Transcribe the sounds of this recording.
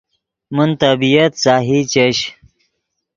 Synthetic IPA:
munt̪ɐbijɐt̪saːɦit͡ɕeɕ

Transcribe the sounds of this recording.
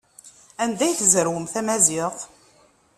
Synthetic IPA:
ænd̪æjθzəɾwəmθæmæziq

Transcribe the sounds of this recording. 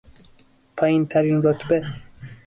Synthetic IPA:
pʰɒːjint̪ʰæɾinɾot̪ʰbe

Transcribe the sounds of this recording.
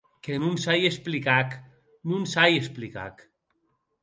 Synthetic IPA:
kenunsajesplikak | nunsajesplika̰k

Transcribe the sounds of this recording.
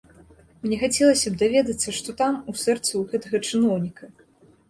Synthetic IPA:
mnʲɛxat͡sʲɛlˠɐsʲɐbd̪avʲɛd̪ɐt̪sːɐʂt̪ɔt̪amusɛrt̪sɨwɣɛt̪ɐɣɐt͡ʂɨnɔwnʲikɐ

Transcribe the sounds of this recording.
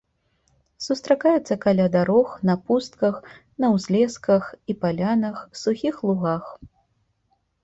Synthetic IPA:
sust̪ɾakajɛt̪sːɐkalʲad̪aɾɔxnɐpust̪kɐx | nɐwzʲlʲɛskɐxipalʲanɐxsuxʲixlˠuɣax

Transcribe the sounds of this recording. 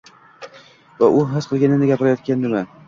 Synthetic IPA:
vaʔʊɦɪzqʰɨlˠɡʲanɪnd̪aɡʲapɪɾajɒt̪̚kʲand̪ɪma

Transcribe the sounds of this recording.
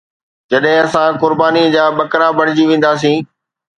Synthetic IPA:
d͡ʑɐɗɦɪ̃ɐsãkʊɾbaːnid͡ʑaːɓɐkɾabʱɐɽ̃ɪd͡ʑiʋẽːn̆d̪aːs̬ĩː

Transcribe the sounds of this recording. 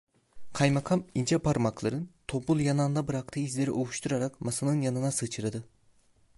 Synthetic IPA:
kʰajmakʰamind͡ʒʰɛpʰaɾmaklˠaɾɯnt̪ʰo̞pulˠjanand̪abɯɾak̚t̪ʰɯːizlʲe̞ɾḭʔouʃt̪ʰuɾaɾakmasanɯnjanɯnasɯt͡ʃʰɯɾad̪ɯ

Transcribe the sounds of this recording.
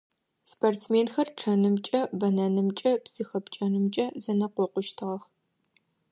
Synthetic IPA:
spʰortt͡smeːnxɐrʈ͡ʂʰɐnɨmt͡ʃʼɐbɐnɐnɨmt͡ʃʼɐbsɨxɐpt͡ʃʼɐnɨmt͡ʃʼɐzɐnɐqʷɔqʷʊʃtʰɨʁɐx

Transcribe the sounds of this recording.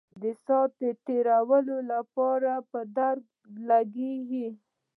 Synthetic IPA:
d̪əsɑt̪̚d̪əʈeɾawəlolapɑɾapəd̪aɾɡ̚ | laɡeɡi

